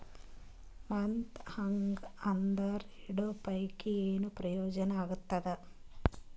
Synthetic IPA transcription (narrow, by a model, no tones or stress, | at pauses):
mɐnt̪hɐŋɡɐnd̪ɐɾiɽopɐjkieːnuprɐjoːd͡ʒɐnɐaːɡut̪ːɐd̪ɨ